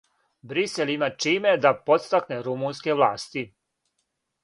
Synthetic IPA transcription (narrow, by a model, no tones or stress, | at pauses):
bɾiselimat͡ʃiːme̞d̪apot̪st̪akneɾumuːnske̞ʋlˠaːst̪i